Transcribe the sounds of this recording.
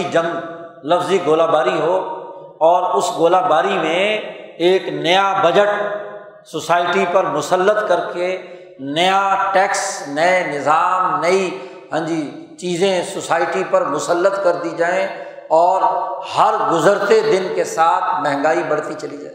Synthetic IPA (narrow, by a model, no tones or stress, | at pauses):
id͡ʒɐ̃mlɐfziɡoːlabaːɾiɦo | ɔːɾʊsɡoːlaːbaːɾimẽeːknɐjabɐd͡ʒəʈ | sosaːɪʈipɐɾmʊsəlːət̪kɐɾke | nɐjaʈɛːksnɐenɪzaːmnɐi | ɦə̃ːd͡ʒiːt͡ʃiːzẽsosaːɪʈipɐɾmʊsəlːət̪kɐɾd̪id͡ʒaːẽ | ɔːɾhɐɾɡʊzəɾt̪ed̪ɪnkesaːt̪ʰmɛ̃ɦŋɡaːibɐɽ̤t̪it͡ʃɐlid͡ʒaːẽ